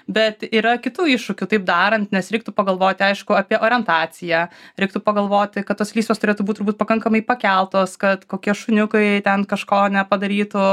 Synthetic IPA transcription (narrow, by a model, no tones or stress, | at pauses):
bʲɛt̪iːɾɐkʲɪt̪uːɪʃʃʊkʲʊt̪ɐɪpd̪ɑːɾɐnʲt̪nʲɛsɾʲɛɪk̚t̪ʊpɐɡɐlˠʋoːt̪ʲɪɐɪʃkʊɐːpʲiɛʔoːɾʲɪɛnt̪ɑːsʲɪjɛːɾʲɛɪk̚t̪ʊpɐɡɐlˠʋoːt̪ʲɪkɐt̪t̪ːoːslʲiːsʲʋoːst̪ʊɾʲeːt̪ubuːt̪ːʊɾbuːt̪̚ʲpɐkɐŋkɐmɐɪpɐkʲɛlˠt̪oːskɐt̪koːkʲiɛʃʊnʲʊkɐɪt̪ʲɛnkɐʃkoːnʲɛpɐd̪ɐɾʲiːt̪ʊ